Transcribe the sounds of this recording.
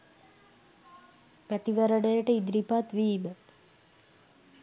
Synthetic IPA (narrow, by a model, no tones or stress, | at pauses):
pæt̪iʋəɾəɳəjəʈəid̪ɾipat̪ʋiːmə